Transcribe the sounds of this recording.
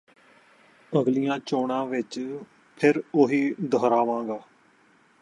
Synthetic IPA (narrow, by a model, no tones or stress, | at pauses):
əɡlijãːt͡ʃoːɳãːʋɪt͡ʃ | pʰɪɾoːɦiːd̪əɦɾaːʋãːŋɡaː